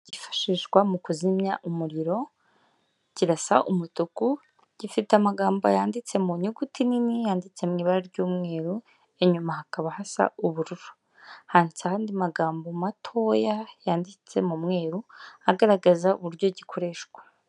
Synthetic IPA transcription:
ɟ̥ifḁʃiʃɡwamukuzimɲaʔumuɾiɾo̞ | ɟ̥iɾasa̰ʔumutuku | ɟ̥ifitamaɡaːmbo̰jaːndit͡se̞muɲuɡutininijaːndit͡se̞mŋiːβaɾaɾɟuːmŋe̞ːɾu | e̞ɲumahakaβahasa̰uβuɾuɾu̥ | haːnsahaːndimaɡaːmbomatʰo̞jajaːndit͡se̞̰mumŋe̞ːɾuaɡaɾaɡazaṵβuɾɟo̞ɟikʰo̞ɾe̞ːʃɡwḁ

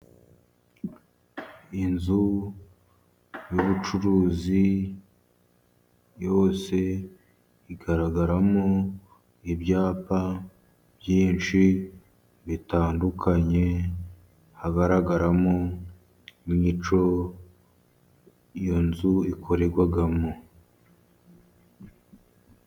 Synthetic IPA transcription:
inzu | juβut͡ʃuɾuːzi | jo̞ːse̞ | iɡaɾaɡaɾamo | ibjaːpa | bjiːnt͡ʃi | βitaːndukʰaɲe̞ | haɡaɾaɡaɾamo | imɲit͡ʃo̞ | jo̞nzuikʰo̞ɾe̞ɾɡwaɡamo

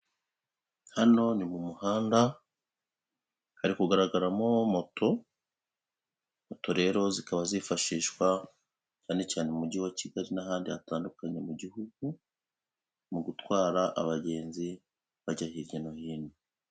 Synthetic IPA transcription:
hano̞nimumuhaːnda | haɾikuɡaɾaɡaɾamo̞mo̞to̞ | moto̞ɾe̞ːɾo̞zikaβazifaʃiːʃwa | caːne̞caːnemuɟiwaciɡaɾinaɦaːndiataːndukaɲe̞muɟihuɡu | muɡutwaːɾaʔaβaɟe̞ːnzi | βaɟahiɾjenohiːni

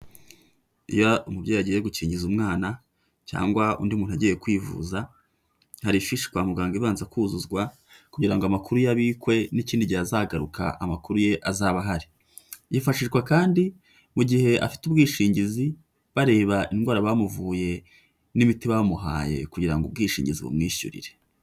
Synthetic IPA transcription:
ijoʔumubɟeːjaɟijeɡuciːɲɟizumŋaːna | ca̰ːŋɡwaṵndiumuːn̥uaɟejekwiːvṵza | haɾifiʃi̥kwaːmuɡaːŋɡiβaːnzakuːzuzɡwa | kuɟiɾaŋɡoamakuɾujaβiːkwe̞niciːndiɟiazaːɡaɾuka̰ʔamakuɾuje̞ʔazaβaɦaɾi | jifaʃiʒɡwakaːndi | muɟihe̞ʔa̰fi̥tubɡiːʃiːɲɟizi | βaɾe̞ːβaʔinɡwaːɾaβaːmuvuːje̞ | nimitiβaβamuɦa̰ːje̞̰kuɟiɾa̰ŋɡub̚ɡiːʃḭːɲɟizḭβṵmŋiːʃṵɾḭɾe̞

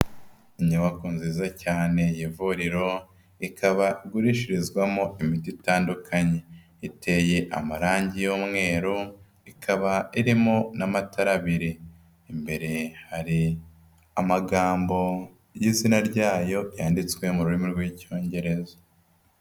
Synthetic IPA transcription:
iɲuwakuːnziːzacaːne̞jivuɾiɾo̞ | ikʰaβaiɡuɾiʃiɾizɡwamo̞imititaːndukʰaɲe̞ | ite̞je̞ʔa̰maɾaːɲɟijoːmŋe̞ːɾu | ikʰaβaiɾimonamatʰaɾaβiɾiː | mbe̞ɾe̞haɾi | amaɡaːmbo̞ | jiːzinaɾɟaːjo̞jaːndit͡swe̞muɾuɾimuɾɡwico̞ːɲɟe̞ɾe̞zḁ

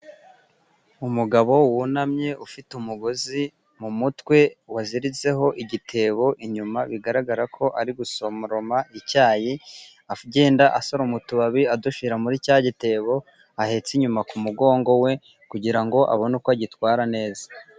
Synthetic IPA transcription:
umuɡaβo̞wunamɲe̞ʔufitumuɡo̞zi | mumutwe̞waziɾize̞ɦo̞ʔiɟitʰe̞ːβo̞ʔiɲumaβiɡaɾaɡaɾakʰo̞ʔaɾiɡusomɾo̞maʔicaːji | afɟe̞ːndaʔaso̞ɾumutuβaβiaduʃiɾamuɾicaɟite̞ːβo̞ | ahe̞t͡siɲumakumuɡo̞ːŋɡo̞we̞ | kuɟiɾaŋɡo̞ʔa̰βo̞nukoaɟitwaːɾane̞ːza

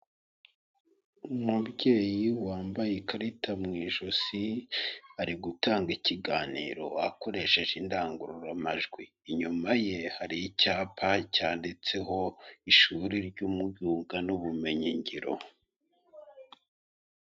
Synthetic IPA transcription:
umubɟe̞ːjiwaːmbajekaɾitʰamŋiːʒusi | aɾiɡutaːŋɡiciɡaːnḭːɾo̞̰ako̞ɾe̞ʃe̞ʒindaːŋɡuɾuɾamaʒɡwiːɲumaje̞haɾijicaːpʰacaːndit͡se̞ɦo̞iʃuɾiɾɟumujuːŋɡanuβume̞ɲiɲɟiɾo̰

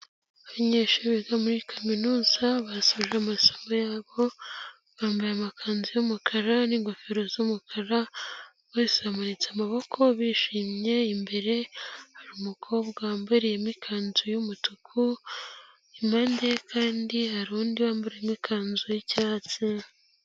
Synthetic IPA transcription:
aβaɲeʃuβiɡamuɾikʰaminuːzaβasoʒeamaso̥mojaːβo̞ | βaːmbajamakʰaːnzujomukʰaɾaniŋɡofeɾo̞zumukʰaɾa | weːseamanit͡samaβo̞kʰo̞βiːʃiːmɲe̞imbe̞ɾe̞haɾuːmukʰo̞βɡaːmbuɾijemikʰaːnzujumutukʰu | imandekʰaːndihaɾuːndiβaːmbuɾejemikʰaːnzujicaːt͡si

